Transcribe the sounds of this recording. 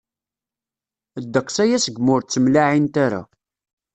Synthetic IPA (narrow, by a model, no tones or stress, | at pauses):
əd̪ːəqːsæjæsəɡmʊɾt͡sːəmlaʕint̪aɾa̰